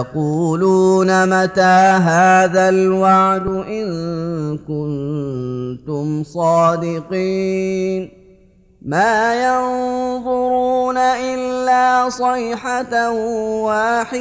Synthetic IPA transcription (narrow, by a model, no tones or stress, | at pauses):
ɑquːluːnamat̪aːɦaːðalwaʕd̪ʊʔɪŋkʊn | t̪ʊmsˤɑːd̪ɪqiːn | maːjɑnðˤʊɾɾuːnaʔɪlːaːsˤɑjħat̪awaːħɪ